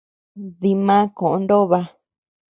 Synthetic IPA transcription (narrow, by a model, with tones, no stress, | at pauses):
ði˧mã˦kõ˨ʔõ˧ndo˦βa˧